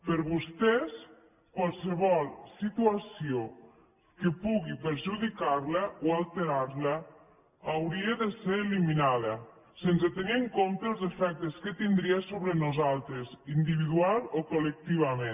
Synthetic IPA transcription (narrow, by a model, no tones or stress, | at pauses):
pəɾβust̪ɛs | kwalˠsəβɔlˠsit̪uasio | kəpuɣipəɾʒuðikaɾləoalˠt̪eɾaɾlə | awɾieðəseɾeliminaðɐ | sensət̪eniəŋkomt̪əəlˠzefɛk̚t̪əskət̪ind̪ɾiasoβɾənuzalˠt̪ɾəzind̪iβiðualokolək̚t̪iβ̞ame